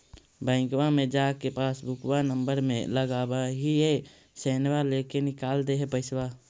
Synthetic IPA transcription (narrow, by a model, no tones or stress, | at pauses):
bə̃ɪ̃kwamẽd͡ʒaːkepaːsbʊkwanəmbəɾmḛ̃ləɡaːbaɦie | seːnwalekenɪkaːld̪eɦɛpəɪswa